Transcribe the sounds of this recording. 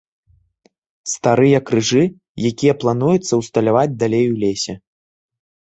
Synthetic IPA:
st̪aɾɨjɐkɾɨʐɨ | jakʲijɐplˠan̪ujut̪sːɐwst̪ɐlʲavad͡zʲd̪alʲejwlʲesʲɛ

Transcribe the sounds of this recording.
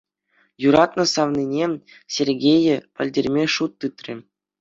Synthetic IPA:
juɾɑt̪nɤ̆sɑʋnʲinʲe | sʲerʲɡʲejɘ̆pɘ̆lʲdʲerʲmʲeʂut̪ːɯt̪ʲrʲḭ̆

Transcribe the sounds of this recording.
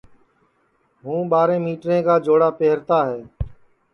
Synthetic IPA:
ɦũːɓaːɾẽːmiːʈɾẽːkaːd͡ʒoːɽaːpeɦəɾt̪aːɦɛː

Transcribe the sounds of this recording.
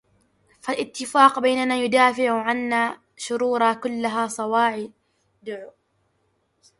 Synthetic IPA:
falʔɪt̪ːɪfaːqbajnanaːjʊd̪aːfɪʕʕanːaː | ʃʊɾuːɾˤɑkʊlːaɦaːsˤɑwɑːʕɪ | d̪ʊʕʊ

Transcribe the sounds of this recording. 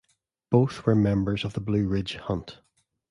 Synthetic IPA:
b̥oθwə˞mɛ̃mbə˞zəvðəblʉːɹɪd̥ʒ̥hʌ̃nt

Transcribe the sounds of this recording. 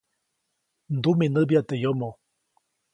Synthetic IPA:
nd̪umenəbjat̪ejomo

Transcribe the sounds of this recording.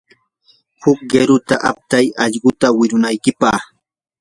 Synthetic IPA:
hʊk̚ɢeɾʊt̪aʔa̰p̚t̪ajɑʎɢʊt̪awɪɾʊnajkɪpɑχ

